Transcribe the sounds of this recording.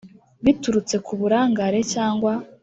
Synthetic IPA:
βituɾut͡se̞kuβuɾaːŋɡaɾe̞caːŋɡwa

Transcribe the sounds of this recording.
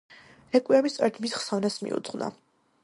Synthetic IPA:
ɛkʼiamist̪sʼɔɾɛt̪ʰmisχsɔvnasmḭṵt̪sʼχʼna̰

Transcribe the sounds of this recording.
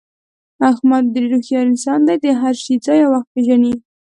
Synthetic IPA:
axmad̪ːɾiɾuxjɑɾɪnsɑnd̪ajd̪əɦaɾʃid͡zɑjawaxt̪̚peʒani

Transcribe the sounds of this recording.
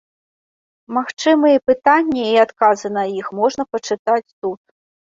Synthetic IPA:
maxt͡ʂɨmɨjɛpɨt̪anʲːɐiat̪kazɨn̪ɐjixmɔʐnɐpɐt͡ʂɨt̪at͡sʲt̪ut̪̚

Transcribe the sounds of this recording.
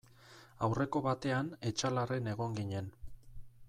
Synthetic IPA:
awre̞ko̞βat̪e̞ane̞t͡ʃalare̞ne̞ɣ̞o̞ŋɡiɲe̞n

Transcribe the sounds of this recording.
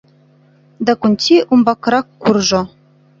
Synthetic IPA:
d̪akunʲtʲiʔumbɑkɾɑkːurʒŏ

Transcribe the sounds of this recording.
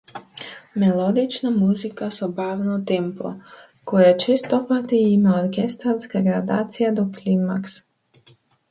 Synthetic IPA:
melod̪it͡ʃnamuzikasobaːʋnat̪ɛmpo̰ | kojat͡ʃest̪opat̪iimaoɾkʲest̪aɾskaɡɾad̪aːt̪sijad̪oklimːaks

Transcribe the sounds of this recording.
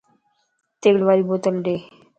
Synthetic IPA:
t̪eɡɽʋaɾibot̪əlɖe

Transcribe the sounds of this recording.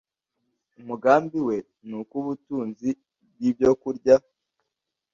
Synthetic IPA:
umuɡaːmbiwe̞ | nukuβutuːnzi | b̚jibjo̞kuɾɟa

